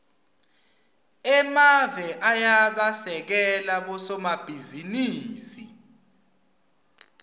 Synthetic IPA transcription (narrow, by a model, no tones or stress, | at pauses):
ɛmavɛʔajaɓasɛk̬ɛlaɓɔsɔmab̥ʱiziniːsi